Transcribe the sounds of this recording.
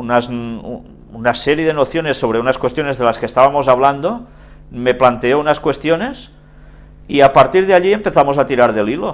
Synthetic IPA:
unaz | unaseɾjeðenoθjonesːo̞β̞ɾeunaskwest̪jo̞nezðelaskeːst̪aβamo̞zaβland̪o | meplant̪eounaskwe̞st̪jone̞s | iapaɾt̪iɾð̞eaʎiempeθamozat̪iɾaɾðelilo

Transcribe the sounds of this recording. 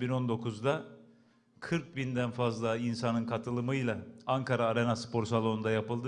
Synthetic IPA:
bino̞nd̪o̞kʰuzd̪a | kʰɯɾk̚bind̪ænfazlˠainsanɯnkʰat̪ʰɯlˠɯmɯjlˠaaŋkʰaɾaːɾe̞naspʰo̞ɾsalˠo̞nund̪ajapɯlˠd̪ɯ

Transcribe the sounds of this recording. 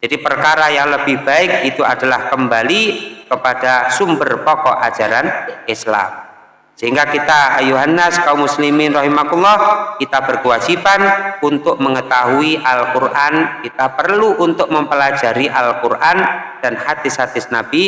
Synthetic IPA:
d͡ʒ̥adipərkaɾajaŋləb̥ɪhb̥aɪk̚it̪uadalahkəmbalikəpad̥asumbərpɔkɔʔḁd͡ʒaɾanɪsla̰m | səɦiŋɡakit̪ajuɦanəskaumːuslimɪnrɑɦimakulˠːɑhkit̪ab̥ərkəwad͡ʒipanunt̪ʊk̚məŋət̪aɦuiʔalkurʔankit̪apərluʔunt̪ʊk̚məmpəlad͡ʒaɾiʔalkurʔand̥anhat̪ɪshat̪ɪsnab̥i

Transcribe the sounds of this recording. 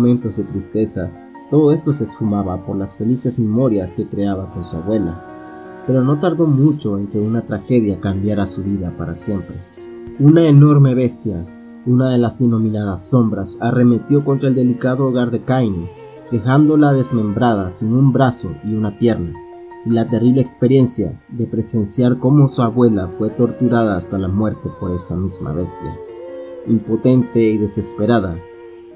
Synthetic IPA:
omẽnt̪o̞zðet̪ɾist̪e̞sa | t̪o̞ðo̞e̞st̪o̞se̞sfumaβapo̞ɾlasfe̞lise̞zme̞mo̞ɾjaske̞kɾe̞aβako̞nsuaβwe̞la̰ | pe̞ɾo̞no̞t̪aɾðo̞mut͡ʃo̞e̞ŋke̞unat̪ɾaxe̞ðjakambjaɾasuβiðapaɾa̰sje̞mpɾe̞ | unaeno̞ɾme̞βe̞st̪ja | unaðe̞lazðeno̞mĩnaðasːo̞mbɾasare̞me̞t̪jo̞ko̞nt̪ɾaeld̪e̞likaðoːɣaɾðe̞kajne | ke̞xand̪o̞laðe̞zmẽ̞mbɾaðasiŋumbɾaso̞iunapje̞ɾna | ilat̪e̞riβleːkspe̞ɾje̞nsja̰ðe̞pɾe̞se̞nsjaɾko̞mo̞suaβwe̞lafwe̞t̪o̞ɾt̪uɾaðaːst̪alamwe̞ɾt̪e̞po̞ɾe̞samizma̰βe̞st̪ja̰ | impo̞t̪e̞nt̪e̞iðe̞se̞spe̞ɾaða

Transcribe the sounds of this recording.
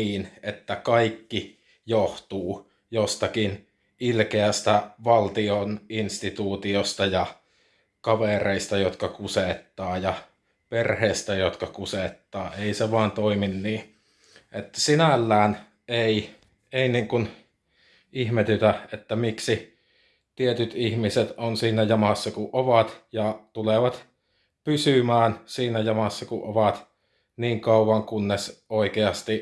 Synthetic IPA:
iːnet̪ːækɑikːi | joht̪uː | jost̪ɑkin | ilkeæst̪æʋɑlt̪ioninst̪it̪uːt̪iost̪ɑjɑ | kɑʋereist̪ɑjot̪kɑkuset̪ːɑːjɑ | perheist̪æjot̪kɑkuset̪ːɑːeˑiseʋɑːnt̪oiminniː | ʔet̪ːæsinælːæːn | eˑi | eˑiniːŋkun | ihmet̪yt̪æet̪ːæmiksi | t̪iet̪yt̪ihmiset̪onsiːnæjɑmɑsːɑkuʔʔoʋɑt̪jɑt̪uleʋɑt̪ | pysymæːnsiːnæjɑmɑsːɑkuʔʔoʋɑt̪ | niːŋkɑˑuwɑŋkunːesoˑikeɑst̪i

